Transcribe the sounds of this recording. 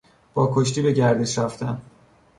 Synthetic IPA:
b̥ɒːkʰoʃt̪iːbe̞ɟæɾd̪e̞ʃɾæft̪æn

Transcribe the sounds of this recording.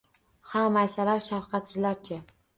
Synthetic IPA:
hamajsalaɾʃafqʰɑt̪sɪzlaɾt͡ʃʰɪ

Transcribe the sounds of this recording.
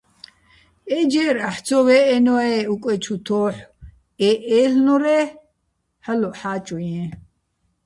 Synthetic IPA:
ɛd͡ʒɛːɾaħt͡sʰɔwɛːnɔɛukʼwɛt͡ʃʰut̪ʰɔːħ | ɛʔɛːɬnɔɾɛ | halɔħaːt͡ʃʼujɛ̃

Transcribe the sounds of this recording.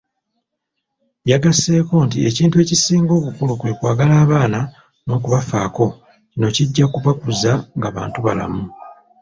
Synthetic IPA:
jaɡase̞ːko̞ntieciːntue̞ːcisiːŋɡo̞ːβukulukwe̞ːkwaːɡalaːβaːna | no̞ːk̬uβafaːko̞ | cino̞ciɟːakuβakuzaŋɡaβa̰ːntuβa̰la̰mu

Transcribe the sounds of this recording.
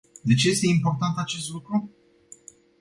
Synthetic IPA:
d̪e̞t͡ʃe̞jest̪e̞impo̞rt̪ant̪at͡ʃe̞st̪lukɾu

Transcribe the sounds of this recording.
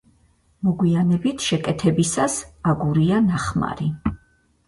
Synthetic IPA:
mɔɡwianɛbit̪ʰʃɛkʼɛt̪ʰɛbisasaɡuɾianaχma̰ɾi

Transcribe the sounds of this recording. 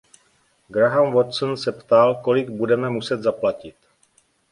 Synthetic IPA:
ɡɾaɦanvot̪snsɛpt̪alko̞lɪɡbudɛmɛmusɛd̪zaplacɪt̪

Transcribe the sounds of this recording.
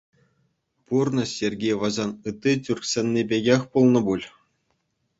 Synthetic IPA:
purnɤ̆sʲerʲɡʲejʋɑʑɑnɯt̪ʲːitʲyrʲksʲenʲːebʲeɡʲexʲpulˠnɤ̆bulʲ

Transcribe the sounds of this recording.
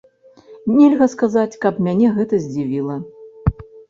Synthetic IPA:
nʲɛlʲɣɐskazat͡sʲkɐpmʲanʲɛɣɛt̪ɐzʲd͡zʲivʲilˠɐ

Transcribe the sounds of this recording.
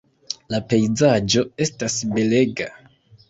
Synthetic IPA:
lape̞jzad͡ʒo̞e̞stasbe̞le̞ɡa

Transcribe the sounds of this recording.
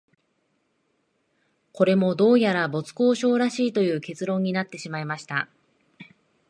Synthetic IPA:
ko̞ɾe̞mo̞d̪o̞ːjaɾabo̞t͡sɨ̥ko̞ːɕo̞ːɾaɕiːt̪o̞jɯ̟ːke̞t͡sɨɾõ̞ɲ̟ːinat̪ːe̞ɕimaimaɕi̥t̪a̰

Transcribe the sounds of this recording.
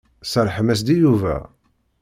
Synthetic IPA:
səɾˤħəmæs̬d̪ijuvæ̰

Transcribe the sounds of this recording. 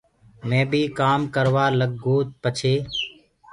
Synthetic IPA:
mẽːbʱiːkaːmkəɾʋaːləɡːoːt̪̚pət͡ʃʰeː

